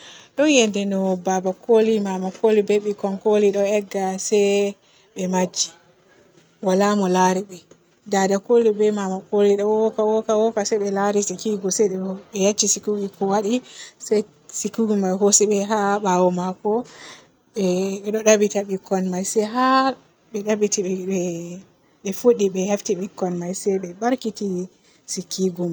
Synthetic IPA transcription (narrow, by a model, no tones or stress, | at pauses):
ɗɔnjɛndɛnɔbabakʰolimamakʰolibɛɓikɔnkoliɗɔɛɡːasɛ | ɓɛmad͡ʒːi | walamɔlaɾiɓɛ | dadakolibɛmamakoliɗɔwɔkawɔkawɔkasɛɓɛlaɾitɛkiɡɔsɛɗɔɓɛjat͡ʃːisikuɡikɔwaɗisɛj | sikuɡimajɦosiɓɛɦabawɔmakɔ | ɓɛɗɔɗabitaɓikːɔnmajsɛjɦa | bɛɗabiti | ɓɛfoɗiɓɛjaftiɓikːɔnmajsɛjɓɛbaɾkiti | sikːiɡum